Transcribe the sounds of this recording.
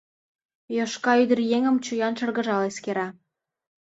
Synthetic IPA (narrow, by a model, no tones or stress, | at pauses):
joʃkɑyd̪ə̆rjeŋə̆mt͡ɕujɑnʃɤ̆rɣə̆ʒɑleskeɾɑ